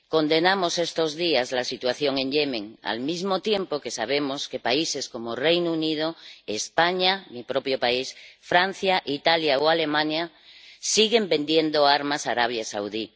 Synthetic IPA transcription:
ko̞nd̪e̞namose̞st̪o̞zðiazlasit̪waθjo̞ŋẽ̞ŋʎe̞mẽ̞ŋa̰lmizmot̪je̞mpoke̞saβ̞e̞mo̞ske̞paise̞sko̞morejnounið̞oespaɲamipɾo̞pjopaisfɾan̟θjaʔit̪aljawale̞mãɲa | siɣe̞mbe̞nd̪je̞nd̪oaɾmasaɾaβ̞jasawði

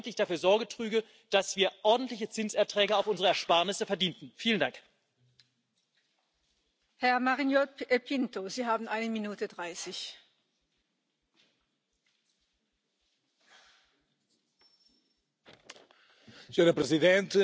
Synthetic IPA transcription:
ntlɪçd̥afyːɐzɔɐɡətʁ̥yːɡə | d̥asv̥iːɐʔɔɐdn̩tlɪçət͡sɪnsɛɐtʁ̥ɛːɡəaʊfʊnzəʁəɛɐʃpaɐnɪsəfɛɐdiːntn̩fiːləndaŋk | hɛɐmaʁinjoepʰɪntoziːɦaːbn̩ʔaɪnəminuːtədʁaɪsɪç | səɲoɾɐpɾəziðẽnt̪

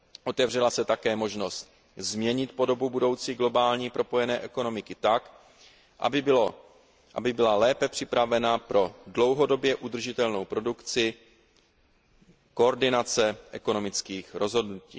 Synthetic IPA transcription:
ʔo̞t̪ɛvr̝ɛlasɛt̪akɛːmo̞ʒno̞st̪ | zmɲɛɲɪt̪po̞do̞bubudo̞wt͡siːɡlo̞baːlɲiːpɾo̞po̞jɛnɛːʔɛko̞no̞mɪkɪt̪ak | ʔa̰ɪɪo | ʔa̰bɪbɪlalɛːpɛpr̝̥ɪpɾavɛnapɾo̞dlo̞wɦo̞do̞bjɛʔud̪r̩ʒɪt̪ɛlno̞wpɾo̞dukt͡sɪ | koːɾdɪnat͡sɛʔɛko̞no̞mɪt͡skiːxɾo̞zɦo̞dnucḭː

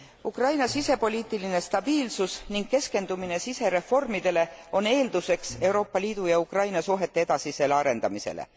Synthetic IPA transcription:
ukrɑjnɑsise̞po̞lʲiːt̪ːˑiline̞st̪ɑb̥iːlsusniŋɡ̥̚ke̞ske̞nd̪̥umine̞sise̞ɾe̞fo̞rmid̪̥e̞le̞o̞ne̞ːld̪̥use̞kse̞wɾo̞ːpːˑɑliːd̪̥ujɑukrɑjnɑsuɦe̞t̪ːe̞ed̪̥ɑsise̞lɑɾe̞nd̪ɑmise̞̰lḛ

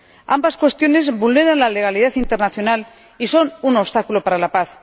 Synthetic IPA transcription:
a̰mbaskwe̞st̪jo̞ne̞zβulne̞ɾanlale̞ɣ̞aliðaθint̪e̞ɾnaθjonal | iso̞nunost̪akulopaɾalapaθ

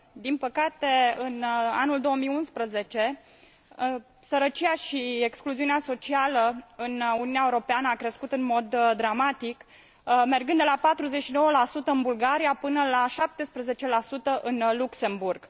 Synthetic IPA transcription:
d̪inpəkat̪eɨna̰nuld̪o̞wəmijunspɾəze̞t͡ʃe̞ | səɾət͡ʃiaʃiekskluziuneaso̞t͡ʃialəɨnuniuneaeuɾo̞peanəakɾe̞skut̪ɨnmo̞d̪d̪ːɾamat̪ik | me̞rɡɨnd̪elapat̪ɾuzeʃino̞wəlasut̪əɨnbulɡaɾijapɨnəlaʃap̚t̪e̞spɾəze̞t͡ʃe̞lasut̪əʔɨnlukse̞mburɡ̥

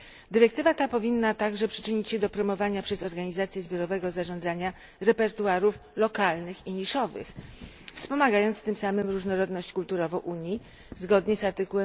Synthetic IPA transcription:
d̪ɘɾɛk̚t̪ɘvat̪apɔvʲinːat̪aɡʐɛpʂɘ̥t͡ʂɘɲit͡ɕɕɛd̪ɔpɾɔmɔvaɲapʂɛzɔɾɡaɲizat̪sʲjɛzbʲjɔɾɔvɛɡɔzaʐɔ̃nd̪zaɲa | ɾɛpɛɾt̪uaɾuflɔkalnɘxiɲiʂɔvɘ̰x | fspɔmaɡajɔnt̪st̪ɘmsamɘmɾuʐnɔɾɔd̪nɔɕt͡ɕkult̪uɾɔvɔ̃ʔuɲji | zɡɔd̪ɲɛsaɾt̪ɘkuwɛm

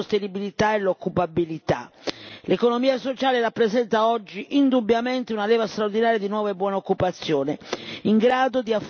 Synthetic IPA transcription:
ost̪enibilit̪aɛlokːupabilit̪a̰lekonomiːasot͡ʃaːleɾapːɾɛzɛnt̪aɔd͡ʒːiʔind̪ubːjamɛnt̪eunalɛːvast̪ɾaoɾd̪inaːɾjad̪inwɔːvaebwɔːnaokːupat̪sːjɔːneiŋɡɾaːd̪od̪iaf

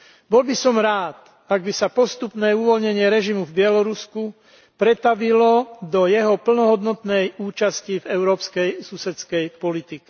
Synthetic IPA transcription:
bɔlbisɔmɾaːt̪ | aɡ̚bisapɔst̪upnɛːuʋɔlɲɛɲɪɛɾɛʒimuvbɪɛlɔɾusku | pɾɛt̪aʋilɔd̪ɔjɛɦɔpl̩nɔɦɔd̪nɔt̪nɛjuːt͡ʃascivɛʊɾɔːpskɛjsusɛt͡skɛjpɔlit̪ikɛ̥

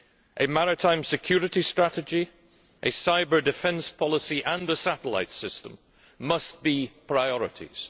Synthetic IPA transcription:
ʔɨmaɹɪtʰãɪ̃msɪkʰj̥ʉɹɨʔistɹ̥aʔɪd͡ʒi | ʔɨsaɪbə˞dɨfɛ̃nspʰɔlˠəsiʔə̃nəsaʔəlˠa̰ɪtsɪstə̃mː | ʌstb̥ipʰɹ̥aɪɔɹɪ̰ʔḭz̥

